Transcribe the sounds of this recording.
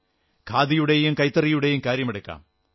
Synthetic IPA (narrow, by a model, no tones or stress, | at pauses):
kʰaːd̪ijuɽe̞jumkɐjt̪ːɐrijuɽe̞jumkaːɾjɐmeɽɐkːa̰ːm